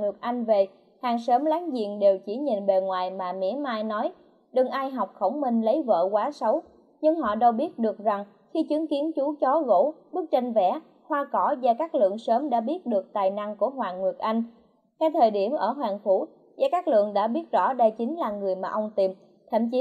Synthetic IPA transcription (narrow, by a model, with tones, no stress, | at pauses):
ŋɨ˨˩ək̚ʔa˧jŋ̟ve˨˩ | haː˨˩ŋsəː˨˦mlaː˨˦ŋzḭ˧˨əŋɗe˨˩wt͡ɕi˧˩ɲi˨˩nɓe˨˩ŋwaː˨˩jmaː˨˩mḭ˧˥maː˧jnɔ˨˦j | ɗɨ˨˩ŋʔaː˧jɦa˨˩wk͡p̚xə˧˩wŋ͡mmi˧˩nlə˨˦jvə̰ː˧˨kwaː˨˦sə˨˦w | ɲɨ˧ŋɦɔ̰˧˨ɗə˧wɓi˦˥ət̚ɗɨ˨˩ək̚za˨˩ŋ | xi˧t͡ɕɨ˨˦əŋki˨˦ənt͡ɕu˨˦t͡ɕɔ˨˦ɣo̰˧˥ɓɨ˦˥ək̚t͡ɕa˧nvɛ̰˧˩ | xwaː˧kɔ˧˩zaː˧kaː˦˥k̚lɨ̰˧˨əŋsəː˨˦mɗa̰ː˧˥ɓi˦˥ət̚ɗɨ˨˩ək̚t̪aː˨˩jna˧ŋku˧˩əɦwaː˨˩ŋɨ˨˩ək̚ʔa˧jŋ̟ | xɛː˧t̪ʰəː˨˩jɗi˧˩əmʔəː˧˩ɦwaː˨˩ŋfu˧˩ | za̰˧kaː˦˥k̚lɨ̰˧˨əŋɗa̰ː˧˥ɓi˦˥ət̚zɔ̰˧˥ɗa˧˩jt͡ɕi˨˦ŋ̟laː˨˩ŋɨ˨˩əjmaː˨˩ʔə˧wŋ͡mt̪i˨˩m | t̪ʰə̰˧˩˨mt͡ɕi˨˦